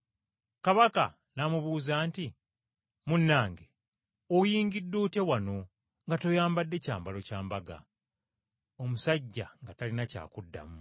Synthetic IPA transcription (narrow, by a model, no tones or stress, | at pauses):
kaβaka | namuβuːzaːnti | munːaːŋɡe | ojiːŋɡidːuːte̞wano̞ | ŋɡatojaːmbadːe̞caːmbalo̞caːmbaɡa̰ | o̞musaɟːa̰ŋɡatalinaca̰ːkudːa̰mu